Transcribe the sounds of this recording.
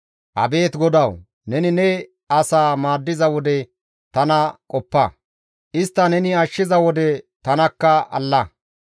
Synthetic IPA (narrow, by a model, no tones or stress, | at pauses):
ʔɐ̰be̞ːt̪ɡɔd̪ɐw | nɛnɪnɛ | ɐsaːmaːd̪ːɪzɐwɔd̪ɛ | t̪ɐnɐkʼɔpːɐ | ʔɪst̪ːɐnɛnɪɐʃːɪzɐwɔd̪ɛt̪ɐnɐkːɐʔɐ̰lːɐ